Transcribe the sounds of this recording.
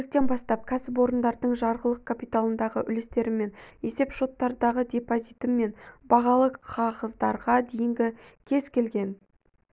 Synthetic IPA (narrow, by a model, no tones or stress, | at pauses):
ɪk̚t̪e̞nbɑst̪ɑp̚kʲʰæsɪp̬wo̞ɾənd̪ɑɾd̪əɴʒɑɾʁəlˠəq̚kʰapijt̪alˠənd̪ɑʁəʔʏlɪst̪e̞ɾɪme̞nje̞se̞pʃo̞t̪ːɑɾd̪ɑʁəd̪ʲe̞pozit̪əmːe̞nbɑʁɑlˠəqqʰːɑʁəzd̪ɑɾʁɑd̪e̞jɪŋɡʲɪkʲʰe̞zkʲʰe̞lɡʲe̞n